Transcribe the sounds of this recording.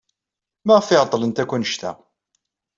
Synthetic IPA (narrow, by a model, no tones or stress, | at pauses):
mæʁəfɪʁt̪ˤːlənt̪ækʷːænəʃt̪æ̰